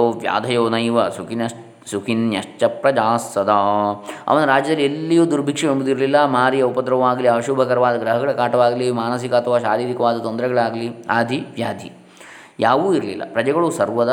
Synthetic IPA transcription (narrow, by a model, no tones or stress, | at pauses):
oːʋja̰ːd̪ʱɐjoːnɐjʋɐsukinɐ | sukʰinjɐʂt͡ʃɐpɾɐd͡ʒaːsːɐd̪aːɐ̰ʋɐnːuɾaːd͡ʒjɐd̪ɐlːielːijuːd̪uɾbʱikʂɐeɳbud̪iɾlilːɐmaːɾijɐupɐd̪ɾɐʋɐʋaːɡɐliɐʃubʱɐkɐɾɐʋaːd̪ɐɡɾɐɦɐɡɐɭɐkaːʈɐʋaːɡɐlimaːnɐs̬ikɐt̪ʰɐʋaːʃaːɾiːɾikɐʋaːd̪ɐt̪ond̪ɾɛɡɐɭaːɡɐliaːd̪ʱiʋjaːd̪ʱḭ | jaːʋuːiɾlḭlːɐ̰pɾɐd͡ʒɐɡɐɭusɐɾʋɐd̪ɐ